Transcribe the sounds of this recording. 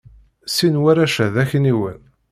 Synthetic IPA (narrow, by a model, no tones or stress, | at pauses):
sinwæɾæʃæðæçəniwən